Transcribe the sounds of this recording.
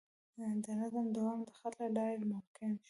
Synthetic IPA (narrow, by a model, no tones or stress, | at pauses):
d̪ənazamd̪ʊwɑmd̪əxat̪laɖɑjɪlmʊmkɪn